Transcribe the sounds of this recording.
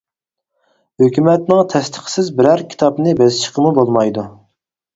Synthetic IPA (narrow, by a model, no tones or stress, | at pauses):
høkʲymɛt̪nɪŋt̪ʰɛst̪ʰə̥χsɪzbɪɾæɾkʲʰi̥t̪ʰɑpnɨbɛzɪʃə̥qʰəmubolˠmɑjd̪u